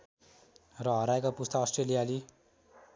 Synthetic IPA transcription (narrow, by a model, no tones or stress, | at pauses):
rʌɦʌɾaekapust̪aʌsʈrelijali